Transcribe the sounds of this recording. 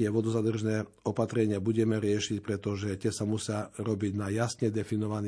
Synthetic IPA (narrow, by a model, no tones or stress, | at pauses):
ɛʋɔd̪ɔzad̪r̩ʒnɛː | ɔpat̪ɾɛɲɪabuɟɛmɛɾɪɛʃicpɾɛt̪ɔʒɛt̪ɪɛsamusɪaɾɔbiɟnajasɲɛd̪ɛfinɔʋan